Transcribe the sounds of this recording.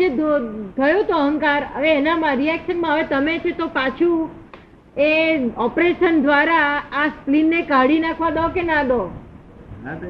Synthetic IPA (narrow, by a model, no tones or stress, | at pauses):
d͡ʒed̪ot̪ʰəjot̪oəɦəŋkaɾə̰ʋeːnamãɾiɛkʃənmãɦəʋet̪əmet͡ʃʰet̪opat͡ʃʰũ | eɔpɾeʃənd̪ʋaɾaːsplinːekaɽinakʰʋãd̪ɔkenãd̪ɔ